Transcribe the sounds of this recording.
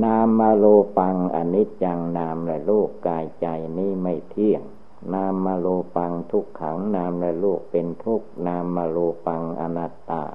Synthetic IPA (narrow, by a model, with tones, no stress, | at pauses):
naː˧mːaː˧loː˧pa˧ŋʔa̰˧ni˦˥t̪̚ja˧ŋnaː˧mlɛ˦˧˩luː˥˩kːaː˧jt͡ɕa˧jniː˥˩ma˥˩jt̪ʰi˥˩əŋ | naː˧mːaː˧loː˧pa˧ŋt̪ʰu˦˥kʰːa̰˩˦wnaː˧mlɛ˦˧luː˥˩k̚pe˧nt̪ʰu˦˥k̚naː˧mːaː˧loː˧pa˧ŋʔa̰˧na˦˧˩t̪ːa̰ː˧˩